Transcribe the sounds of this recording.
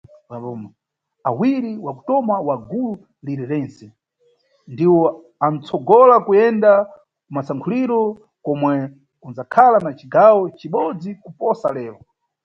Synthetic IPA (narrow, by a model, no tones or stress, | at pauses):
wabɔmɔ | awiɾiwaku̥tɔmawaɡulu | liɾɛɾɛnsɛ | ndiwɔ | an̩t͡sʰɔɡɔlakujɛnda | masaŋkʰuliɾɔ | kɔmwɛ | unzakʰalanat͡ʃiɡawɔt͡ʃiɓɔd͡zikupɔsa̰lɛːɾɔ